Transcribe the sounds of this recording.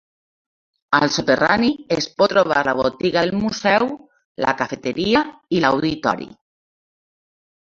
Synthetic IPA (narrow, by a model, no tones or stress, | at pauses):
alsot̪eraniespot̪ɾoβa̰ɾlaβ̞o̰t̪iɣaðelmusew | la̰kafe̞t̪eɾiailawðit̪ɔ̰ɾjḭ